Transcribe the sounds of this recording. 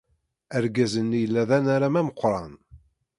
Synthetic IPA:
æɾɡæzənːijəlːæðænaɾamæməqːɾˤɑn

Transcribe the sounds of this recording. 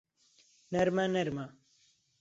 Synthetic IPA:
nɐɾmanɐɾma

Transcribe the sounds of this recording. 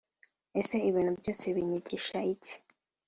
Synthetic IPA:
ese̞iβiːn̤̥ubjo̞ːse̞βiɲiɟiʃaici̥

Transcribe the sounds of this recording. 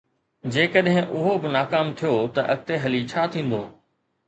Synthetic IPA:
d͡ʑeːkəɗɦɪ̃ʔʊɦobɪnaːkaːmt̪ʰijot̪ɐʔɐk̚t̪eɦɐlit͡ɕʰaːt̪ʰĩːn̆d̪oː

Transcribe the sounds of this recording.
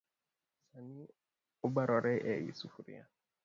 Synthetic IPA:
sanĩ | oɡ͡baɾɔɾɛʔɛjḭsufuɾḭa̰

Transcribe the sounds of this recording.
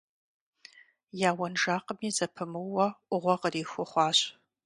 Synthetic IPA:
jaːwɐnʒaːqəmiːzɐpʰɨmɨwɐʔʷʊʁʷɔqəriːxʷʊχʷɑːɕʼ

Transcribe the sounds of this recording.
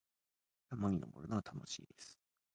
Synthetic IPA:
t̪amaɲʲino̰mo̰ɾonaβat̪ʰano̞ɕḭːd̪e̞sɨ̥

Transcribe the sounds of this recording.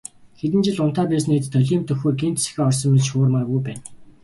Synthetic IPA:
xet̪̬ɘ̆nt͡ɕɪ̆ɮʊn̥t̪aːpæːs̬net̪t̪ʰːœɮʲiːmt̪ɵxuːɡent̪sĕ̥xeːɔrsɞ̆mːeɮt͡ɕxʊːrmarɡujpæːn

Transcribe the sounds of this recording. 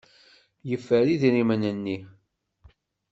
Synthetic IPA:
jəfːəɾiðiɾimənənːi

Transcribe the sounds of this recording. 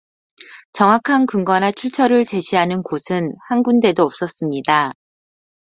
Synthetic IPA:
t͡ɕʌŋwakʰankɯŋɡʌnat͡ɕʰuɭt͡ɕʰʌɾɯɭt͡ɕe̞ɕʰiɦanɯnkosʰɯnhanɡunde̞doʌp̚s͈ʌs͈ɯmɲida

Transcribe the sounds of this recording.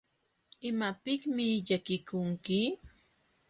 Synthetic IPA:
ɪmapɪkmɪʎakɪkʊŋkɪ

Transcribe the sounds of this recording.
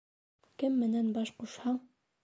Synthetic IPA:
kɘmːɘ̆nænbɑʃquʃhɑɴ

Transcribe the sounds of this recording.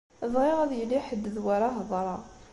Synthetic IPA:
zˤʁiʁæðjəlːiħəd̪ːəðwaɾˤɑɦðˤɾˤɑ

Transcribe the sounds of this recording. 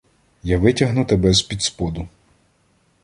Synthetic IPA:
jaʋɪtʲɐɦnʊt̪ebɛzpʲid̪spɔd̪ʊ

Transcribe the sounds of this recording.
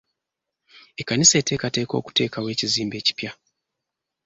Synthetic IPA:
ekanisete̞ːkate̞ːko̞̰ku̥te̞ːkawe̞ːciziːmbe̞ːci̥pja

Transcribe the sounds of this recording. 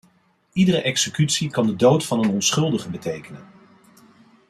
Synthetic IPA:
idərəʔɛksəkytsikɑndədowtfɑnənɔnsχɵlˠdəχəbətejkənən

